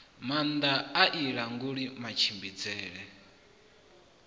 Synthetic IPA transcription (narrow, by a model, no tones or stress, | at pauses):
mand̪aaʔiɺaŋɡuɺimat͡ʃʰimbid͡zɛːɺɛ